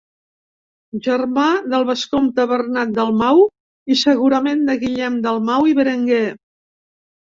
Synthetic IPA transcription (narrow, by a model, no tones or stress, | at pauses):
ʒərmaðəlˠβəskomt̪əβərnat̪̚d̪əlˠmaw | isəɣuɾəmend̪əɣiʎɛmd̪əlˠmawiβəɾəŋɡe